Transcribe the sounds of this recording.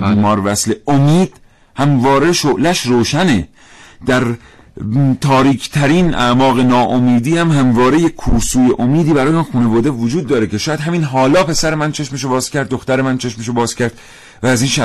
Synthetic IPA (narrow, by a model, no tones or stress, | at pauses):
imɒːɾvæsleomiːd̪̥ | hæmvɒːɾeʃoʔlæʃɾoːʃæne | d̪̥æɾ | t̪ʰɒːɾiːkʰt̪ʰæɾiːnʔæ̰ʔmɒːɣe̞nɒːʔomiːd̪iːhæmɦæmvɒːɾejekʰuːɾsuːjeʔomiːd̪iːbæɾɒːjemɔnxuːnevɒːd̪evod͡ʒuːd̪̚ːɒːɾekcʰe̞ʃɒːjæd̪ɦæmiːnɦɒːlɒːpe̞sæɾe̞mænt͡ʃʰe̞ʃmeʃ̬obɒːz̥cæɾd̪̚ːoxt̪æɾemænt͡ʃʰe̞ʃmeʃobɒːzcʰæɾd̪̥ | væːziːnʃæ